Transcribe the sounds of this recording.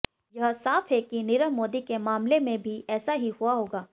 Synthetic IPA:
jɐɦsaːfʰɦɛkinɪɾəmoːd̪ikemaːmlemẽbʱiɛːsaɦihuaɦoːɡaː

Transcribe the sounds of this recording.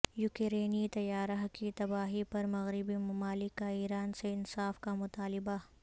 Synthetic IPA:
jʊkeɾeːnit̪ɐjaːɾaɦkit̪ɐbaːɦipɐɾmɐɣɾɪbimɐmaːlɪkːaiːɾaːnseɪnsaːfkamʊt̪aːlɪba

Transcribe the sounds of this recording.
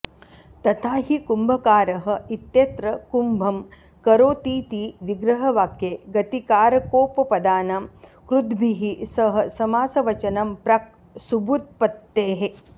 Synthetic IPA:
t̪ɐt̪ʰaːɦikumbʱɐkaːɾɐɦɐ̆it̪jɐt̪ɾɐkumbʱɐm | kɐɾoːt̪iːt̪iːʋiɡɾɐɦɐʋaːkjeːɡɐt̪ikaːɾɐkoːpɐpɐd̪aːnɐmkɾud̪bʱiɦisɐɦɐ̆sɐmaːsɐʋɐt͡ʃɐnɐmpɾɐk̚ | subut̪̚pɐt̪ːeːɦe

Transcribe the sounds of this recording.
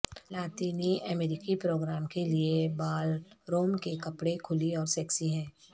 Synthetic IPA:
laːt̪iːniɐmeɾɪkipɾoːɡɾaːmkeliebaːlɾoːmkekɐpɽekʰʊliɔːɾsɛːksiɦɛ̃ː

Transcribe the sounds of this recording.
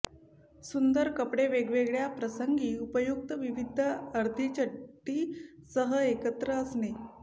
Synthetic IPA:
sund̪əɾkəpɽeʋeɡʋeɡɭjapɾəsəŋɡiːupəjuk̚t̪əʋiʋid̪ʱəəɾd̪ʱit͡ɕəʈːiːsəɦəekət̪ɾəːsne

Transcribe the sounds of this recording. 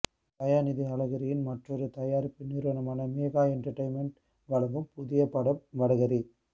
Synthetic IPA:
bɐjaːnɪðɐɐlɐɣɐɾɪjɪnmɐʈrɔɾɯt̪ɐjaːɾɯpːɪnːiːɾʋɐnɐmaːnɐmeːɣaːɛɳʈɐɾʈɐɪnmɛɳʈ | ʋɐlɐʋɯmpʊðɪjɐpːɐɽɐmʋɐɽɐɣɐɾi

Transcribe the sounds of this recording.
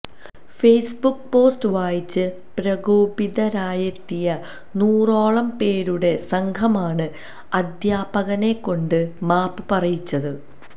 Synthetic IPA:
fejsbukːpo̞ːstɨʋaːjit͡ɕːɨ | pɾɐɣoːbiðɐɾaːjɐt̪ːijɐ | nuːro̞ːɭɐmpe̞ːɾuɽe̞sɐŋkʰɐmaːɳɨ | ɐd̪ʱjaːbɐɣɐne̞kːo̞ɳɖɨmaːpːɨpɐrɐjit͡ɕːɐðɨ

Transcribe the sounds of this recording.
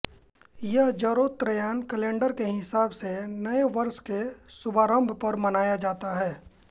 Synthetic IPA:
jɐɦd͡ʒɐɾoːt̪ɾəjaːnkəlẽːɳɖəɾkeɦɪsaːbsenɐeʋɐɾskesʊbʱaːɾə̃mbʱpɐɾmɐnaːjad͡ʒaːt̪aɦɛː

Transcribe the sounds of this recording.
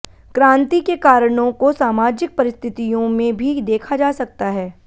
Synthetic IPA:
kɾãːnt̪ikekaːɾəɽ̃õkosaːmaːd͡ʒɪk̚pɐɾɪst̪ʰɪt̪ijõmẽbʱid̪eːkʰad͡ʒaːsɐk̚t̪aɦɛː

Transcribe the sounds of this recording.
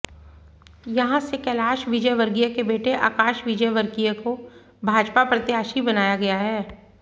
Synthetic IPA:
jɐɦãsekɛːlaːʃʋɪd͡ʒəjʋəɾɡijakebeːʈeʔa̰ːkaːʃʋɪd͡ʒəjʋəɾɡijako | bʱaːd͡ʒpapɾɐt̪jaːʃibɐnaːjaɡɐjaɦɛː

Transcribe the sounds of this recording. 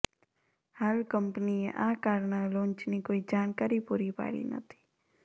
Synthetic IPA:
həlkəmpəniḛ̃ʔaːkaːɾnalõːnt͡ʃnikoːid͡ʒaːnkaːɾipuːɾipa̰ːlḭnə̰t̪ʰi̥ː

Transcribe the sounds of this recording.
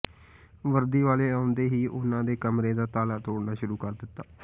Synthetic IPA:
ʋəɾd̪iːʋaːleːaːʊ̃nd̪eːɦiːʔʊnãːd̪eːkəmɾeːd̪aːt̪aːlaːt̪oːɽnaːʃʊɾuːkəɾd̪ɪt̪ːaː

